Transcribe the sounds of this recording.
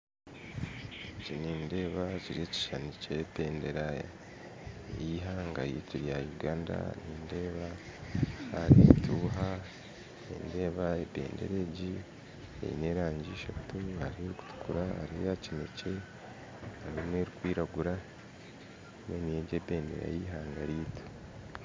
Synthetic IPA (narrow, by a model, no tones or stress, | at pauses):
eɟoniːnde̞ːβaciɾie̞ci̥ʃanicebe̞ːnde̞ɾaja | jiɦaŋɡajḭciɾjajuɡaːnda̰niːnde̞ːβa | aɾitʰuːɦa | ḛnde̞ːβaebe̞̰ːnde̞̰ɾe̞ɟi | ḛḭne̞ɾaːɲɟiʃatuhaɾieɾiku̥tu̥kuɾahaɾiejacinece̞ | haɾimweːɾikwiːɾaɡuɾa | mwenijeɟebe̞ːnde̞ɾa̰jiɦaːŋɡaɾiːtʰu̥